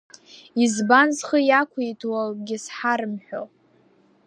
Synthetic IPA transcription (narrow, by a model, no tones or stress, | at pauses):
izbanzχəjakʷʰajtʰwalɡʲɪsħaɾɨmħʷᶣo̰